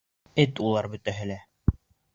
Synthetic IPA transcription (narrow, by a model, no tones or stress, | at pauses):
ɘt̪ulˠɑɾbɵ̆t̪æɦɘ̆læ